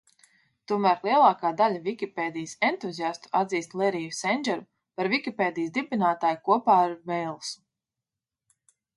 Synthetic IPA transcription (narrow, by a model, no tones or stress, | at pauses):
t̪uɔmæːɾlˠiɛlˠɑːkaːd̪alʲavikʲipeːd̪ijsɛnt̪uzʲijast̪u̥ad̪ziːst̪lˠɛɾijusɛnʲd͡ʒɛɾu | paɾvikʲipeːd̪ijsd̪ibʲinaːt̪aːjkuɔpaːɾvɛjlˠsu̥